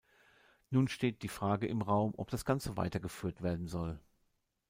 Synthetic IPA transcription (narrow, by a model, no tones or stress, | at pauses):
nuːnʃteːt̚d̥iːfʁ̥aːɡəʔɪmʁaʊmʔɔ̰p̚d̥asɡ̥ant͡səva̰ɪtɐɡəfyːɐtv̥eːɐdn̩zɔl